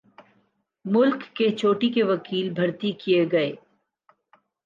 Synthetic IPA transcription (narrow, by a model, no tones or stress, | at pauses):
mʊlkːet͡ʃʰoːʈikeʋɐkiːlbʱɐɾt̪ikieɡɐeː